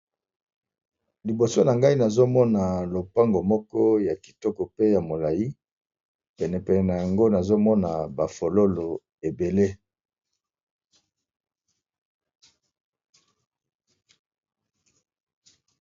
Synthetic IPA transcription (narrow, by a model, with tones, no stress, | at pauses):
li˨bo˨so˦na˨ŋɡa˦i˦na˨zo˦mɔ˦na˨lo˨pa˦ŋɡo˨mɔ˦kɔ˦ja˨ki̥˨tɔ˦kɔ˨pe˦ja˨mo˨la˨ji˦ | pɛ˨nɛ˨pɛ˨nɛ˨na˨ja˨ŋɡo˦na˨zo˦mɔ˦na˨ba˨fo˨lo˦lo˨ | e˨be˨le˦